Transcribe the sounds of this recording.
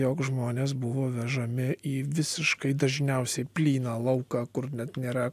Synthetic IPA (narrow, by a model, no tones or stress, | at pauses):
joːkʒmoːnʲeːsbʊʋoːʋʲɛʒɐmʲɪiːʋʲɪsʲɪʃkɐɪd̪ɐʒʲnʲɛʊsʲɛɪpʲlʲiːnɑːlˠɐʊkɑːkʊrnʲɛt̪nʲeːɾɐ